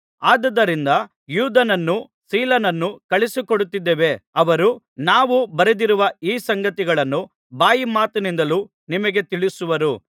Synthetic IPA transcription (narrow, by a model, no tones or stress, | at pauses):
aːd̪ɐd̪ɐɾind̪ɐ | juːd̪ɐnɐnːu | siːlɐnɐnːukɐɭisikoɽut̪ːid̪ːeːʋe̞ɐʋɐɾu | naːʋubɐɾed̪iɾuʋɐiːsɐŋɡɐt̪iɡɐɭɐnːu | baːjimaːt̪unind̪ɐlu | nimɐɡe̞t̪iɭisuʋɐɾu